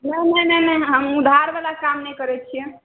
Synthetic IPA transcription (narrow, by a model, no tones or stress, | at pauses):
nəjnəjnəjnəjɦəmud̪ʱaɾbalakamnɛjkəɾɛt͡ʃʰijɛ